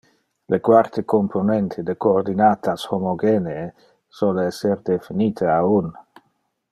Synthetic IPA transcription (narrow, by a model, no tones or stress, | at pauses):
lʔekwart̪ekompʰonent̪ʰed̪ekoːrd̪inat̪ashomoɡeneː | soleɛsːerd̪efiniːt̪ʰeaun